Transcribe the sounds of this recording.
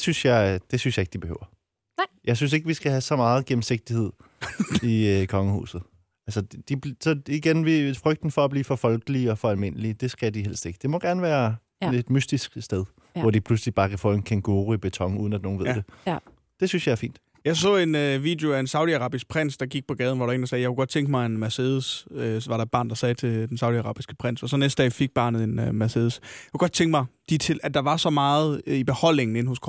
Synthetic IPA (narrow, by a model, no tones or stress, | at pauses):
dsynsjɑ̈ɪd̥e̝synsjɑ̈e̝ɡ̥əd̥ib̥e̝ø̰ːʊ̰ɐ | jɑ̈ɪs̬ynse̝ɡ̥əʋisɡ̥æɦæsɒ̽mɑ̈ːð̞̩ˠɡ̥em̩se̝ɡ̥̚d̥ihe̝ð̰ˠikʰɒ̽ŋəhṵːsð̩ˠ | ælsədd̥ibsɒ̽iɡ̥enʋifʁœɡ̥̚d̥n̩fɒ̽ːb̥liːfɒ̽fɒ̽lɡ̥əliɒ̽fɒ̽ælme̝n̰əlid̥e̝sɡ̥æd̥ihel̰sd̥e̝ɡ̥əd̥e̝mɒ̽ɡ̥æɐnəʋæːɐ | ed̥mysd̥isɡ̥sd̥eð̞ˠ | ʋɒd̥ipʰluslib̥ɑ̈ːkʰæfɔ̰ːenkʰenɡ̥o̝ːʁib̥e̝t͡sʰɒ̽ŋṵð̞ˠn̩æd̥no̝ːn̩ʋe̝ð̰ˠd̥e̝ | d̥e̝synsjɑɪæɐfḭːnd̥ | jɑ̈ɪsɔ̰̽ːe̝nøʋḭːd̥jeoæe̝nsɑ̈ʊd̥iɑ̈ʁɑ̈ːb̥isɡ̥̚pʰʁen̰sd̥ɑ̈ɡ̥iɡ̥̚pʰɒ̽ɡ̥ɛːð̞ˠn̩ʋɑɾɑe̝ŋnd̥ɑsɛːjɑakʰuɡ̥ɒ̽d̥t͡sʰeŋɡ̥əmɑ̈ɪenmæseːðˠəsøʋɑ̈ɾɑ̈ed̥̚b̥ɑ̈ːnd̥ɑ̈sɛːt͡sʰe̝ld̥ensɑ̈ʊd̥iɑʁɑ̰̈ːb̥isɡ̥əpʰʁen̰sɒ̽sɒ̽nesd̥əd̥ɛ̰fiɡ̥̚b̥ɑ̈ːnð̩ˠe̝nmæseːðˠəsjakʰuɡ̥ɒ̥t͡sʰeŋɡ̥mɑ̈ɪd̥it͡sʰe̝læd̥ɑ̈ʋɑ̈sɒ̽mɑ̈ːð̩ˠib̥e̝hɒ̽l̰ne̝ŋn̩e̝n̰hɔ̽skʰ